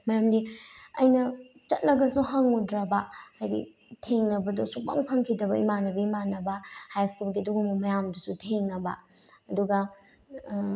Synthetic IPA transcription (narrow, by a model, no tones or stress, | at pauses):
mɐɾɐmdiɐjnɐt͡ʃɐt̚lɐɡɐsuɦɐŋudɾɐbɐajdḭ | tʰeŋnɐbɐdɔsuk̚pa̰ŋpʰɐŋkʰidɐbɐḭmanɐbɐimanɐbɐhajskulɡiɐduɡumɐmɐjamdusutʰeŋnɐbɐ̰ | ɐduɡɐ